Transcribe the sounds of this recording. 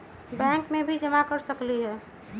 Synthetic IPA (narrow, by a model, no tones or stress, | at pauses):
bɛ̃ːŋkmẽbʱid͡ʒəmakəɾsəkliɦɛː